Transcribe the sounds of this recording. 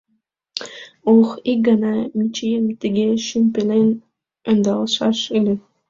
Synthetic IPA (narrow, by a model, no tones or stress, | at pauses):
oxik̚ɡɑnɑmit͡ʃijəmt̪əɡʲeʃympelen | ənd̪ɑlʃɑʃylʲe